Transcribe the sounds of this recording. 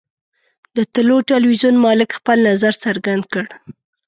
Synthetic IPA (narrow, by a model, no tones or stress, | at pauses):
d̪ət̪ɪloʈɪlwizunmɑlɪkxpəlnazaɾsaɾɡand̪kəɽ